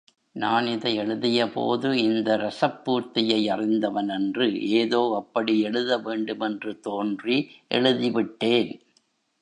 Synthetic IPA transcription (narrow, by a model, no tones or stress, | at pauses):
naːnɪðɐɪɛɭɯðɪjɐpo̰ːðɯɪnd̪ɐɾɐsɐpːuːɾt̪ɪjɐɪɐrɪnd̪ɐʋɐnɛndrɯʔeːðoːɐpːɐɽiɛɭɯðɐʋeːɳɖɯmɛndrɯt̪oːndriʔɛ̰ɻɯðɪʋɪʈːeːn